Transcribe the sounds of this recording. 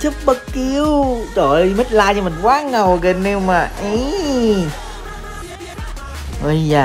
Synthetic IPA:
t͡ɕə˦˥p̚ɓə˦˥kki˧əwt͡ɕo˧˨˩jm˦˥t̚laː˧jt͡ɕɔ˧mï˨˩ŋ̟kwaː˨˦ŋə˨˩wɣə˨˩ne˧wmaː˨˩ʔi˧˦ | ʔə˧˩jaː˨˩

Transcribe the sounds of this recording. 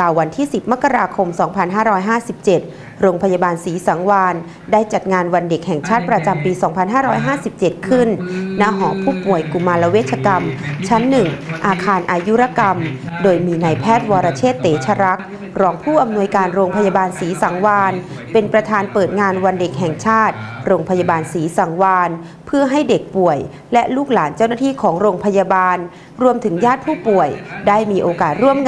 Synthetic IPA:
kaː˨˩wːa˧nt̪ʰiː˥˩si˨˩p̚ma˦˥ka˧ɾaː˧kʰo˧msɔː˩˦ŋpʰa˧nɦaː˥˩ɾɔː˦˥jɦaː˥˩si˨˩p̚t͡ɕe˨˩t̪̚ | ɾoː˧ŋpʰa˧ja˧baː˧nsiː˩˦sa˩˦ŋwaː˧n | daː˥˩jt͡ɕa˨˩t̪̚ŋaː˧nwa˧nde˨˩k̚hɛ˨˩ŋt͡ɕʰaː˥˩t̪̚pɾa˧t͡ɕa˧mpiː˧sɔː˩˦ŋpʰa˧nɦaː˥˩ɾɔː˦˥jɦaː˥˩si˨˩p̚t͡ɕe˨˩t̪̚kʰɯ˥˩nna˦˥ɦɔː˩˦pʰuː˥˩pu˨˩əjku˨˩mːaː˧la˦˧weː˥˩t̪̚t͡ɕʰa˧ka˧mt͡ɕʰa˦˥nːɯ˨˩ŋʔaː˧kʰaː˧nʔaː˧ju˦˥ɾa˧˥ka˧mdoː˧jmiː˧na˧jpʰɛː˥˩t̪̚wɔː˧ɾa˧t͡ɕʰeː˥˩t̪ːeː˩˦t͡ɕʰa˧ɾa˦˥k̚ | ɾɔː˧ŋpʰuː˥˩ʔa˧mnu˧əjkaː˧nɾoː˧ŋpʰa˧ja˧baː˧nsiː˩˦sa˩˦ŋwaː˧n | pe˧npɾa˧t̪ʰaː˧npɤː˨˩t̪̚ŋaː˧nwa˧nde˨˩k̚ɦɛ˨˩ŋt͡ɕʰaː˥˩t̪̚ɾoː˧ŋpʰa˧ja˧baː˧nsiː˩˦sa˩˦ŋwaː˧n | pʰɯ˥˩ɐɦa˥˩jde˨˩k̚pu˨˩əj | lɛ˦˥luː˥˩k̚laː˩˦nt͡ɕa˥˩wnaː˥˩t̪ʰiː˥˩kʰɔː˩˦ŋɾoː˧ŋpʰa˧ja˧baː˧n | ɾu˧əmt̪ʰɯ˩˦ŋjaː˥˩t̪̚pʰuː˥˩pu˨˩əjdaː˥˩jmiː˧ʔoː˧kaː˨˩t̪̚ɾu˥˩əmŋ

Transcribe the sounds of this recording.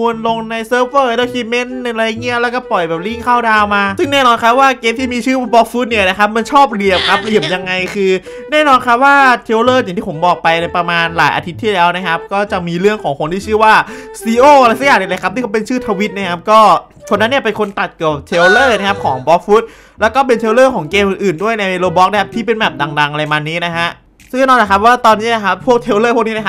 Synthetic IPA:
u˧ənlo˧ŋna˧jsɤː˦˥p̚wɤː˥˩˧la˧˩kʰi˧me˦˥n˧ɾa˧jːaː˨˩ŋːi˦˥˩ɐlɛː˦˥wkɔː˥˩pɔ˨˩jbɛː˨˩p̚li˥˩ŋkʰaː˥˩wdaː˧wmaː˧sɯ˥˩ŋnɛː˥˩nɔː˧nkʰa˦˥p̚waː˥˩keː˧mt̪ʰiː˥˩miː˧t͡ɕʰɯː˥˩a˥˩bɔː˦˥k̚fuː˦˥t̪̚ni˥˩ɐna˦˥kʰa˦˥p̚ma˧nt͡ɕʰɔː˥˩p̚li˨˩əmkʰa˦˥p̚li˨˩əmja˧ŋːa˧jkʰɯː˧ | nɛː˥˩nɔː˧nkʰa˦˥p̚waː˥˩t̪ʰe˧˥wlɤː˥˩t͡ɕ̪a˨˩ŋʰiː˥˩pʰo˩˦mbɔː˨˩k̚pa˧jna˧jpɾa˧maː˧nla̰ː˩˦jʔa̰ː˧t̪ʰi˦˥t̪ʰːiː˥˩lɛː˦˥wna˦˥kʰa˦˥p̚kɔː˥˩t͡ɕa˨˩miː˧ɾɯ˥˩əŋkʰɔː˩˦ŋkʰo˧nt̪ʰiː˥˩t͡ɕʰɯː˥˩waː˥˩siː˧ʔoː˥˩a˧ɾa˧jsa˦˥kjaː˨˩˨a˧la˧˩kʰa˦p̚t̪iː˥˩ka˥pe˧nt͡ɕʰɯː˥˩t̪ʰa˧wi˦˥t̪̚na˥˩kʰa˦˥p̚kɔː˥˩ | kʰo˧nːa˦˥nːi˥˩ɐpe˧nkʰo˧nt̪a˨˩t̪̚kɯ˨˩əp̚t̪ʰe˧˥wlɤː˥˩na˦˥kʰa˦˥p̚kʰɔː˩˦ŋbɔ˦˥k̚fuː˦˥t̪̚ | lɛː˦˥wkɔː˥˩p̬e˧nt̪ʰe˧wlɤː˥˩kʰɔː˩˦ŋkeː˧mʔɯː˨˩nʔɯː˨˩ndu˥˩əjna˧je˧loː˧bɔː˦˥k̚na˥kʰa˦p̚t̪iː˥˩pe˧nbɛː˨˩p̚da˧ŋda˧ŋʔa˧a˧jmaː˧nːiː˦˥na˦˥kʰa˦˥ʔ | sɯ˥˩ŋaː˥˩nɔː˧nla˨˩k̚ʰwaː˥˩t̪ɔː˧nːiː˦˥na˧˩kʰa˦˥pʰːu˥˩ək̚t̪ʰeː˦˥wlɤː˥˩pʰu˥˩kni˦˥na˥˩a˦˥

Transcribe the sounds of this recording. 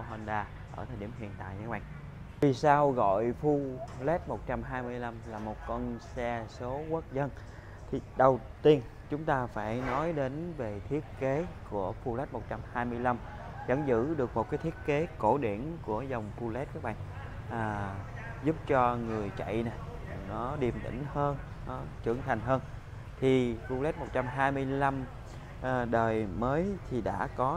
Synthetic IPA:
ɦə˧nɗaː˧ | ʔəː˧˩t̪ʰəː˨˩ɗi˧˩əmhḭ˧˨ənt̪a̰ː˧˨jɲaː˨˧˥kɓa̰ː˧˨ŋ | vi˨˩saː˧wɣɔ̰˧˨jfu˧lɛ˦˥t̚mo˨˩t̚t͡ɕa˧mɦaː˧jmɨ˧əjla˧mlaː˨˩mo˨˩t̚kɔ˧nsɛ˧so˨˦kə˦˥t̚zə˧n | t̪ʰi˨˩ɗə˨˩wt̪i˧ən | t͡ɕʊ˨˦ŋ͡mt̪aː˧faː˧˩jnɔ˨˦jɗe˨˦nve˨˩t̪ʰi˦˥ət̚ke˨˦ku˧˩əfu˧lɛ˦˥t̚mo˨˩t̚t͡ɕa˧mhaː˧jmɨ˧əjla˧m | zə̰˧˩ŋzɨ̰˧˥ɗɨ˨˩ək̚mo˨˩t̚kaː˨˦t̪ʰi˦˥ət̚ke˨˦ko˧˩ɗi˧˩ənku˧˩əzə˨˩wŋ͡mpu˧lɛ˦˥t̚kaː˦˥k̚ɓa̰ː˧˨ | ʔː | zu˦˥p̚t͡ɕɔ˧ŋɨ˨˩əjt͡ɕa̰˧˨jna˨˩j | nɔ˨˦ɗi˨˩əmt̪ḭ̈˧˩ŋ̟həː˧n | nɔ˨˦t͡ɕɨ̰˧˩əŋt̪ʰa˨˩ŋ̟ɦəː˧n | t̪ʰi˨˩pu˧lɛ˦˥t̚mo˨˩t̚t͡ɕa˧mɦaː˧jmɨ˧əjla˧m | ʔːɗəː˨˩jməː˨˦jt̪ʰi˨˩ɗa̰ː˧˥kɔ˨˦

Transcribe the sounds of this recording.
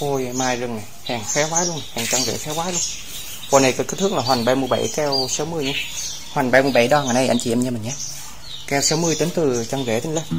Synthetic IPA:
o˧jmaː˨˩jzɨ˨˩ŋna˨˩jhaː˨˩ŋfɛ˨˦wwaː˨˦lu˧ən˨˩haː˨˩ŋt͡ɕɔ˧wŋzḛ˧˩fɛ˨˦waː˨˦lu˧ən | kɔː˨˧˩na˨˩kɛ˨˦˥tkə˨˦˥t̪ʰɨ˦˥k̚laː˨˩ɦwa˨˩ŋɓa˧˩jmɨ˧˩əjɓa̰˧˩jkɛ˧wsa˨˦wmɨ˧əjɲa˧˦ | hwa˨˩ŋɓa˧˩jmɨ˧˩əjɓa̰˧˩jɗɔ˧ŋaː˨˩jna˧˩ʔa˧jŋt͡ɕi˨˩ʔɛ˧mɲa˧mə˨˩ɲa˨˦ | kɛ˧wsa˨˦wmɨ˧əjt̪e˨˦nt̪ɨ˨˩t͡ɕɔ˧ŋ͡mzḛ˧˩t̪ʰi˨˧˦lə˧˩

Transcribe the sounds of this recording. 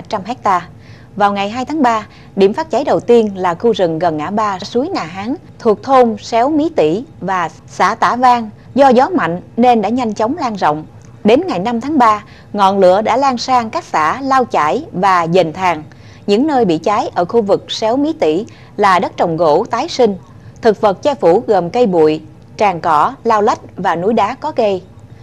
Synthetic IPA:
t͡ɕa˧mɦɛ˦˥k̚t̪aː˧ | vaː˨˩wŋa˨˩jɦaː˧jt̪ʰaː˨˦ŋɓaː˧ | ɗḭ˧˩əmfaː˦˥t̚t͡ɕa˨˦jɗə˨˩wt̪i˧ənlaː˨˩xu˧zɨ˨˩ŋɣə˨˩nŋa̰ː˧˥ɓaː˧˩su˨˦əjŋaː˨˩ɦaː˨˦ŋ | t̪ʰu˨˩ək̚t̪ʰo˧msɛ˨˦wmi˨˦t̪ḭ˧˩vaː˨˩ | sa̰ː˧˩t̪a̰ː˧˩vaː˧ŋ | zɔ˧zɔ˨˦ma̰˧˨jŋ̟ne˧nɗa̰ː˧˥ɲa˧jŋ̟t͡ɕə˨˦wŋ͡mlaː˧ŋzɔ̰˧˨wŋ͡m | ɗe˨˦nŋa˨˩jna˧mt̪ʰaː˨˦ŋɓaː˧ | ŋɔ̰˧˨nlɨ̰˧˥˨əɗa̰ː˧˥laː˧ŋsaː˧ŋkaː˦˥k̚sa̰ː˧˥laː˧wt͡ɕa̰ː˧˩jvaː˨˩zə˨˩nt̪ʰaː˨˩ŋ | ɲɨ̰˧˥ŋnəː˧jɓḭ˧˨t͡ɕaː˨˦jʔəː˧˩xu˧vɨ˨˩k̚sɛ˨˦wmi˨˦t̪ḭ˧˩ | laː˨˩ɗə˦˥t̚t͡ɕə˨˩wŋ͡mɣo̰˧˥t̪aː˨˦jsï˧ŋ̟ | t̪ʰɨ˨˩k̚və˨˩t̚t͡ɕɛ˧fu˧˩ɣə˨˩mkə˧jɓṵ˧˨əj | t͡ɕaː˨˩ŋkɔ˧˩laː˧wlə˦˥jt̚vaː˨˩nu˨˦jɗaː˨˦kɔ˨˦ɣə˧j

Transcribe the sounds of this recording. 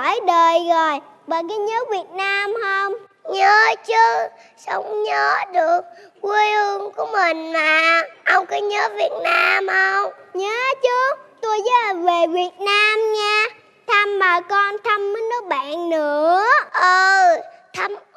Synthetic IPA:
jɗəː˨˩jzo˨˩j | ɓaː˨ka˨˦ɲəː˨˦˥vi˨˩ət̚naː˧mhə˧wŋ͡m | ɲəː˨˦t͡ɕɨ˨˦ | sə˨˦wŋ͡mɲəː˨˦ɗɨ˨˩ək̚ki˧jʔɨ˧əŋku˧˩əmï˨˩ŋmaː˨˩ʔə˧wŋ͡mkɨ˨˦ɲəː˨˦vi˨˩ət̚naː˧mhə˧wŋ͡mɲəː˨˦t͡ɕɨ˨˦t̪u˧jzəː˨˦la˨˩ve˨˩vi˨˩ət̚naː˧mɲaː˧ | t̪ʰə˧mːaː˨˩kɔ˧nt̪ʰə˧mːəː˨˦nːə˨˦ɓa̰ː˧˨nnɨ˧˦˧əəʔə˨˧˩t̪ʰə˧m

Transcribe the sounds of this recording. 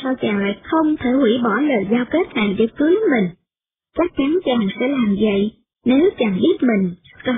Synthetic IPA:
sa˧wt͡ɕaː˨˩ŋla̰ː˧˨jxə˧wŋ͡mt̪ʰe˧˩hwi˧˩ɓɔ˧˩ləː˨˩jzaː˧wke˦˥t̚na̰ː˧˨jɗe˧˩kɨ˨˦jmï˨˩ŋ̟ | t͡ɕa˦˥k̚t͡ɕa˨˦nt͡ɕaː˨˩ŋsɛ̰˧˥laː˨˩mzə̰˧˨j | ne˨˦wt͡ɕaː˨˩ŋɓi˦˥ət̚mï˨˩ŋ̟˥˧˦

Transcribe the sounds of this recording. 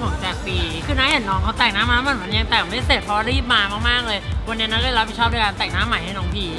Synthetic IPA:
o˨˩˦ŋt͡ɕa˨˩siː˨˩kʰɯː˧naː˦˥he˨˩˦nːɔː˨˧˥ŋkʰa˧˦˥wt̪ɛː˨˩ŋnaː˨˦mːaː˨˦˥mː˧˩˨ma˧˦nja˧ŋt̪ɛː˨˩me˦˥˩seː˨˩t̪̚pʰɔ˧ɾiː˥˩p̚maː˧maː˥˩k̚maː˥˩k̚lɤː˧jkʰa˧niː˧˦˥na˦˥kɔː˥˩˧ɾ̚i˨˧˩t͡ɕɔː˥˩p̚nɯː˧˥˩kaː˧nt̪ɛː˨˩ŋ̚naː˦˥mːa˨˩˦ha˥˩nɔː˧˥ŋpʰiː˧

